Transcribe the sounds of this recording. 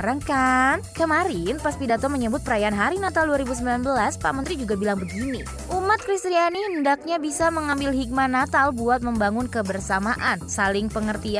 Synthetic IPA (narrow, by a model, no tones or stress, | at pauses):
ɾaŋkankəmaɾɪnpaspidat̪ɔməɲəbʊt̪̚pəɾajaːnɦaɾinat̪alduaɾibus̬əmbilanbəlaspa̰mənt̪ɾid͡ʒuɡabilaŋbəɡini | ʔumat̪̚kɾist̪ɾianihəndak̚ɲabisaməŋambɪlɦik̚manat̪albuat̪̚məmbaŋʊnkəbərsamaʔansalɪŋpəŋərt̪ia